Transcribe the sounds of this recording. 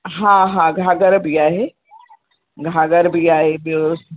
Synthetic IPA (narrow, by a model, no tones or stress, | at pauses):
ɦãɦãɡʱaːɡəɾbʱiaːɦe | ɡʱaːɡəɾbʱiaːɦebos